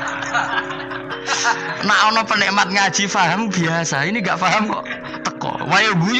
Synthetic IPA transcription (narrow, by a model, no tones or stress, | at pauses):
naʔɔnɔpənɛʔmat̪̚ŋad̥ʒ̥ifaɦəmb̥iasainiŋɡaʔfaɦəmkɔʔ | t̪əkɔ̰wajoɡu